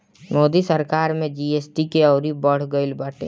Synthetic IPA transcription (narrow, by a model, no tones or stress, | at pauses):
moːd̪isəɾkaːɾmẽd͡ʒiːeːsʈikeɔːɾibəɽ̤ɡəɪlbaːʈḛː